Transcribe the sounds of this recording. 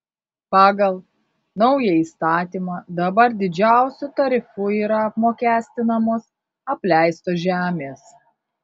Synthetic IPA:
pɑːɡɐlˠ | nɒʊjɛiːst̪ɑːt̪ʲiːmɑːd̪ɐbɐɾd̪ʲɪd͡ʒʲæˑʊsʲʊt̪ɐɾʲɪfʊiːɾɐɐpmoːkʲæːsʲt̪ʲɪnɐmoːs | ɐpʲlʲæˑɪst̪oːʒʲæːmʲeːs

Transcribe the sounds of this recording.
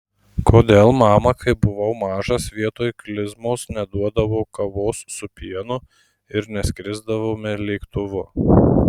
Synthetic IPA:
koːd̪ʲeːlˠmɑːmɐkʰɐɪpbʊʋɐʊmɑːʒɐsʋʲiɛt̪oːjklʲɪzmoːsnʲɛd̪uɔd̪ɐʋoːkɐʋoːssʊpʲiɛnʊ | ɪɾnʲɛsʲkʲɾʲɪzd̪ɐʋoːmʲɪlʲeɪkt̪ʊʋʊ

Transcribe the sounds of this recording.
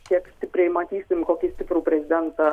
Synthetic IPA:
kʲiɛksʲt̪ʲɪpʲɾʲɛjmɐt̪ʲiːsʲɪmʲkoːkʲisʲt̪ʲɪpɾuːpʲɾʲɛzʲɪd̪ʲɛnt̪ɑ

